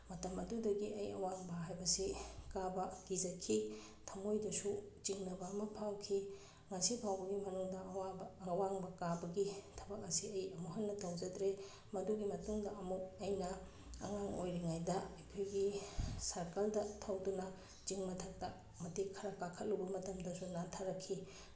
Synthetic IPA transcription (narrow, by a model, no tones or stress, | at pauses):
mɐtɐmɐdudɐɡiʔɐjɐwaŋbɐɦajbɐsekabɐɡ̥izɐkʰi | tʰɐmojdɐsut͡ʃiŋnɐbɐːmɐpʰawkʰi | ŋɐsibʰawbɐɡimɐnuŋdɐːwabɐɐwaŋbɐkabɐɡitʰɐbɐk̚ɐsiɐjɐmuɦɐnːɐtɐwzɐdɾe | mɐduɡimɐtuŋdɐɐmuk̚ɐjnɐ | ɐ̰ŋaŋojɾiŋajdɐɐjkʰojɡisɐɾkɐldɐtʰɐwdunɐ | t͡ʃiŋmɐtʰɐk̚tɐ | mɐtekʰɐɾɐkakʰɐt̚lubɐmɐtɐmdɐsunantʰaɾɐkʰːi